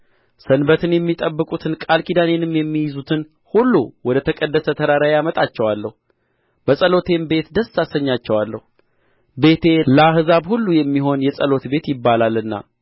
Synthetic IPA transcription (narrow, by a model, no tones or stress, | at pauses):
sənbət̪ʰɨnjɛmːit̪ʼəbːɨkʼut̪ʰɨnkʼalkʰid̪ane̞nɨmjɛmːijɪzut̪ʰɨn | hulːuwɔd̪ət̪ʰəkʼəd̪ːəsət̪ʰəɾaɾajamət̪ʼat͡ʃːɛwalːəhu | bəsʼəlo̞t̪ʰe̞mbe̞t̪d̪əsːasəɲːat͡ʃːɛwalːəhu | be̞t̪ʰe̞ləahzaβhulːujɛmːiɦo̞njɛsʼəlo̞t̪be̞t̪jɪbːalalːɨnːa̰